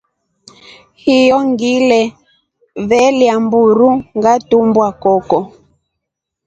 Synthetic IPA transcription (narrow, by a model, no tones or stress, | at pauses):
hijɔŋɡilɛ | βɛljambuɾuŋɡatumbwakɔkɔ